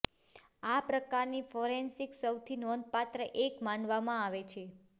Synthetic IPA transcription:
apɾəkaɾnifɔɾensiksəwt̪ʰinɔnd̪̚pat̪ɾəʔekmanʋamãaʋet͡ʃʰe

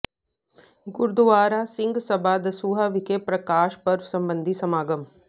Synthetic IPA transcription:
ɡʊɾd̪uʋaːɾaːsɪ̃ŋɡsɐbʱaːd̪ɐsuːɦaʋikepɾɐkaːʃpɐɾsɐmbənd̪ʱisɐmaːɡɐm

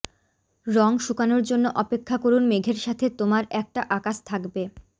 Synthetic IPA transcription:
ɾɔŋʃukanoɾd͡ʑonːoʔɔpekʰːakoɾunmeɡʱeɾʃat̪ʰet̪omaɾɛk̚ʈaʔakaʃt̪ʰakbe

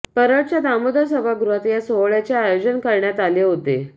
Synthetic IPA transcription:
pəɾəʈt͡ɕjad̪amod̪əsəbʱaɡɾuɦat̪jasoʋɭjat͡ɕjaːjod͡ʑənkəɾɳjat̪aleɦot̪e

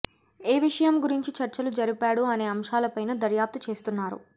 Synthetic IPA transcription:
e̞ːʋiʂɐjɐmɡuɾiɲt͡ʃit͡ʃɐɾt͡ʃɐlud͡ʒɐɾipaːɽuɐne̞ːɐmʃaːlɐpɐjnɐd̪ɐɾjaːp̚t̪it͡ʃe̞ːst̪unːaːɾṵ

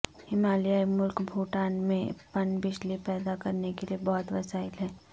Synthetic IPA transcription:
ɪmaːlijaemʊlkbʱuːʈaːnmẽpɐnbɪd͡ʒlipɛːd̪akɐɾnekeliebɔːʊt̪ʋɐsaːɪlɦɛː

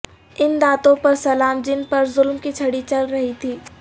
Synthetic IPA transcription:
ɪnd̪aːt̪õpɐɾsɐlaːmd͡ʒɪnpɐɾzʊlmkit͡ʃʰɐɽit͡ʃɐlɾɐɦit̪ʰiː

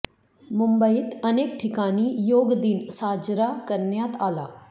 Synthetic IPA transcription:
mʊmbəɪt̪ɐneːk̚ʈʰɪkaːnijoːɡd̪insaːd͡ʒɾaːkɐɾnjaːt̪ʰaːlaː

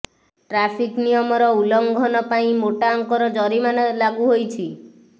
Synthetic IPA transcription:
ʈɾapʰiknijɔmɔɾɔulɔŋɡʱɔnɔpaĩmoʈaɔŋkɔɾɔd͡ʒɔɾimanelaɡuɦojt͡ʃʰi

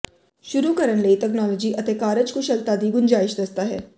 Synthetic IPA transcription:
ʃʊɾuːkəɾənləiːt̪ɛːknɔːlɔːd͡ʒiːʔət̪eːkaːɾəd͡ʒkʰʊʃəlt̪aːd̪iːɡʊnd͡ʒaːɪʃd̪əst̪aːɦɛ̰ː

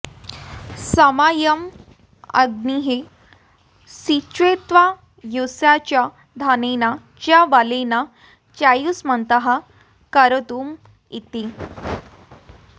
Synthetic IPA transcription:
səmajəm | ə̰ɡniɦe | sit͡ɕʋet̪ʋa | jusjat͡ɕja | d̪ʱanena | t͡ɕjaʋalena | t͡ɕajusmənt̪əɦa | kəɾət̪uːm | it̪i

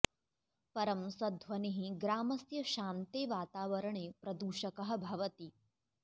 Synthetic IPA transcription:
pɐɾɐmsɐd̪ʱʋɐniɦiɡɾaːmɐsjɐʃaːnt̪eːʋaːt̪aːʋɐɾɐɳiːpɾɐd̪uːʃɐkɐɦɐ̆bʱɐʋɐt̪i

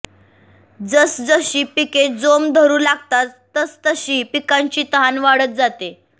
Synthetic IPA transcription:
d͡zəsd͡zəɕiːpiked͡zomd̪ʱəɾuːlaɡ̚t̪at̪ːəst̪əɕiːpikãɲt͡ɕiːt̪əɦanʋaɽət̪̚d͡zat̪e

